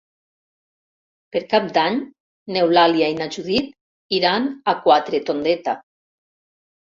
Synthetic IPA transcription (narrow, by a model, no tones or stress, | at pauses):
peɾkap̚d̪aɲ | newlaliainaʒuðit̪ | iɾanakwat̪ɾet̪ond̪et̪a